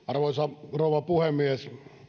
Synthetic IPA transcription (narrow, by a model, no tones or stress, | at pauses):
ɑrʋoisɑrouʋɑpuhemːies